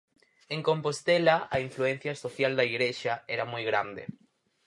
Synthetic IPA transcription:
ẽŋkompost̪elaaiɱfluen̟θjasoθjald̪aiɣɾeʃaeɾamujɣɾa̰nd̪ḛ

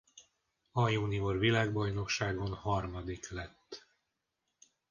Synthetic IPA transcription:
ɒjuːniorvilaːɡbɒjno̞kʃaːɡo̞nhɒrmɒd̪iklɛt̪ː

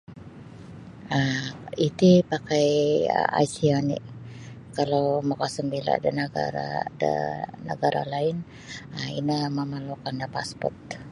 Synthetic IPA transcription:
əit̪ipakajə̰a̰jsianḭʔ | kalawmakasəmbila̰dənəɡa̰ɾa̰də̰nə̰ɡaɾʔa̰laɪn | əḭnəməmalukandapaspɔ̰rt̪̚

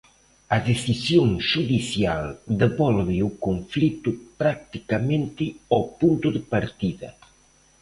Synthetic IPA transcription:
ɐðesisjoŋʃuðiθjald̪eβɔlβɪukoɱflit̪ʊpɾak̚t̪ikamẽnt̪ɪɔpunt̪ʊðɪpaɾt̪iðɐ̰

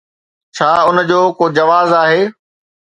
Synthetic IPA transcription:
t͡ɕʰaːʊnd͡ʑoːkoːd͡ʑɐʋaːzaːɦeː

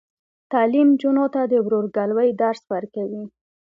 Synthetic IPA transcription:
t̪ɑlimd͡ʒunot̪ad̪əwɾoɾɡalwəjd̪aɾswəɾkawi

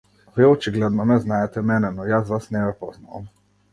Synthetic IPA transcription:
viɔt͡ʃiɡlɛd̪nɔnɛznajɛt̪ɛmɛnɛnɔjazʋasnɛɡɛpɔzna̰o̰m

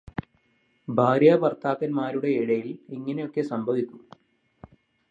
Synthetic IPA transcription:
bʱaːɾjapɐrt̪ʰaːkːɐnmaːɾuɽe̞iɽɐjiliŋːɐne̞jo̞kːe̞sɐmbʱɐʋikʲːu

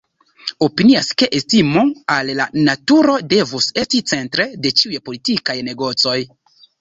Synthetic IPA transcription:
o̞piniaske̞ʔestimoalːanatuɾo̞de̞vuse̞stit͡se̞ntɾe̞de̞t͡ʃiujepo̞litikajne̞ɡo̞t͡so̞j

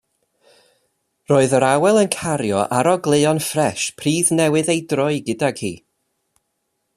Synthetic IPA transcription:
roːɨðəɾawɛlˠənkʰaɾjɔ̰ʔaɾɔɡlˠeɔnfrɛʃpʰriːðnɛwɨðejdrʊɨɡɨdaɡhḭː

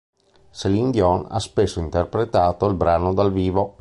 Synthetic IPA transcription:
selind̪jɔna̰spesːoint̪erpɾet̪aːt̪oilbɾaːnod̪alviːvo

